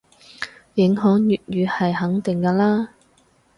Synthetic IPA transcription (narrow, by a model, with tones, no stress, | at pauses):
jɪ˨˥ŋɦœː˨˥ŋjyː˨t̚jyː˨˧hɐ˨jɦɐ˨˥ŋt̪ɪ˨ŋkɐː˧laː˥